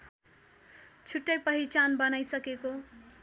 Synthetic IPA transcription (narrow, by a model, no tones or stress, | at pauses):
t͡sʰuʈːʌjpʌɦit͡sanbʌnajsʌkeko